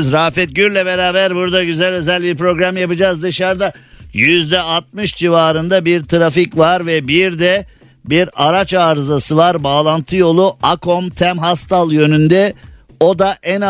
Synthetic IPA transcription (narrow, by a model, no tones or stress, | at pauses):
zɾaːfɛt̪̚ɟyɾlʲɛbeɾaːbæɾbuɾd̪aɟyzælʲø̞zælʲbiɾpɾo̞ɡɾamjapɯd͡ʒaːzd̪ɯʃaɾd̪ajyzd̪ɛaɾt̪̚mɯʃd͡ʒivaːɾɯnd̪abiɾt̪ʰɾaficvaɾvɛbiɾd̪ɛ | biɾaɾat͡ʃaːɾzasɯvaɾbaːlˠant̪ʰɯjo̞lˠuʔakʰo̞mt̪ʰæmɦast̪ʰalˠjø̞nynd̪ɛ | o̞d̪aʔɛn